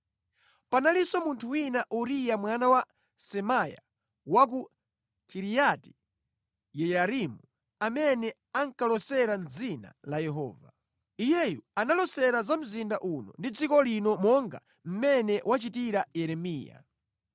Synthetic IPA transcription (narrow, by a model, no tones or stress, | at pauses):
panalisɔmuntʰuwinaʔuɾijamwanawa | sɛmaja̰ | wak̬u | kʰiɾijati̥ | jɛjaɾimu | amɛnɛ | aŋkalɔsɛɾanzina̰lajɛɦɔ̰ːva | ijɛjuanalɔsɛɾazam̩zindaʔunɔ̰ndid͡zikɔlinɔmɔŋɡa̰ | m̩mɛnɛwat͡ʃitiɾajɛɾɛmiːja̰